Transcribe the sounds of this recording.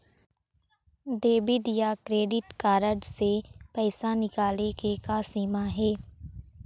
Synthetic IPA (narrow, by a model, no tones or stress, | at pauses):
ɖeːbɪɖjakɾeːɖɪʈkaːɾəɖsepɛːsanɪkaːlekekasiːmaɦɛː